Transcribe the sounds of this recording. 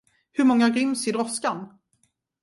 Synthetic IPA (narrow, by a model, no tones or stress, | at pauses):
hɵɾmɔŋːaɾʏmsɪd̪ɾɔskan